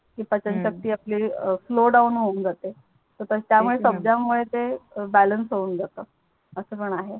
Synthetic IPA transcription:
kiːpət͡ɕənt͡ɕək̚t̪iːapliːfloɖaunɦound͡zat̪e | t̪əɾt̪əst̪jamuɭesəbd͡ʑjamuɭet̪ebælənsɦound͡zat̪əː | əsəpəɳaɦe

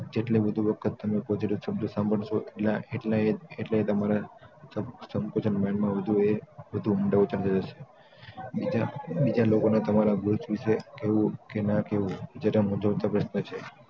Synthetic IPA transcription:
d͡ʒeʈleʋəd̪ʱuʋəkʰət̪ːəmepɔziʈisəb̚d̪usãmbʱəɳʃoʔeʈlaeʈlaeeʈleet̪əmaɾasəsəmkot͡ʃʰənmanmãʋəd̪ʱueʋəd̪ʱuumɖaut͡ʃəɾt̪ʰəd͡ʒəʃe̥ | id͡ʒabid͡ʒalokonat̪əmaɾaɡuɾt͡ʃʋiʃekeʋũkenakeʋũd͡ʒeɾamũd͡ʒəʋt̪apɾəʃnət͡ʃʰe

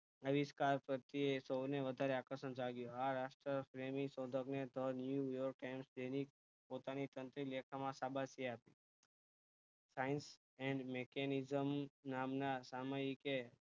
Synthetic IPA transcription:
əʋiskaɾpɾət̪iesowneʋəd̪ʱaɾeakəʃənd͡ʒaɡjoaɾaʃʈɾəfɾemisɔd̪ʱəkned̪ʱənjujɔɾk̚ʈajmsd͡ʒenik̚ | pot̪anit̪ə̃nt̪ɾilekʰamãsabʱasiapi | sains | ɛɳɖmekenizəmnamnasamajike

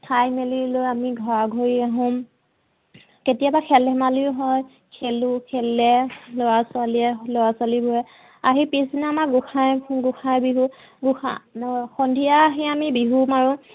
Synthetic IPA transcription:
tʰajmelilojamiɡʱɔɹaɡʱoɹiaɦʊ̃m | ketijabakʰɛlɛmalijʊɦɔj | kʰelukʰɛlɛlojaswaliɛlojaswalibʱojɛ | aɦipesdinamaɡuxajɡuxajbiɦu | ɡuxa̰xɔndʱijaɦɛamibiɦumaɹũ

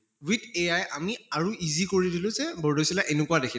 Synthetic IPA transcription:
witejajʔamiaɹuizikoɹidilʊ̃zɛbɔɹdojsilaʔenʊkuadekʰi

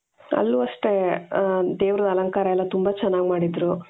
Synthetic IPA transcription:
ɐ̰lːuɐʂʈe̞ | d̪eːʋɾɐd̪ɐlɐŋkaːɾɐɛlːɐt̪umbat͡ʃɛnːaːɡmaːɽid̪ɾu

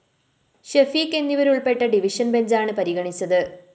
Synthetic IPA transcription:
ɕefikːe̞nːiʋɐɾuɭpe̞ʈːɐɖiʋiʂɐnbe̞ɲd͡ʑaːɳɨpɐɾiɣɐɳit͡ɕːɐðɨ

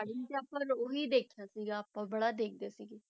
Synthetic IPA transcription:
aɽint͡ʃaːpəɾoɦiːd̪eːkʰjaːsiːɡapãbəɽaːd̪eːk̚ʰd̪eːsiːɡe

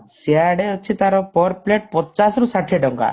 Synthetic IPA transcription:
siaɽeɔt͡ʃʰit̪aɾɔpɔɾpleʈ̚pɔt͡ʃasɾusaʈʰeɖɔŋɡa̰

